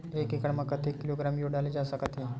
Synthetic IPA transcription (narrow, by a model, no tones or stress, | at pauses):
ekekəɽməkːət̪ʰekːiloɡɾamjoɖalid͡ʒasakat̪ʰi